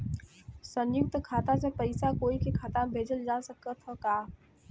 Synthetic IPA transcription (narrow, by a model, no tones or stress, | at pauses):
sə̃njʊk̚t̪kʰaːt̪ãsepɐɪsakoːikikʰat̪ãbʱeːd͡ʒəld͡ʒaːsəkət̪ʰokaː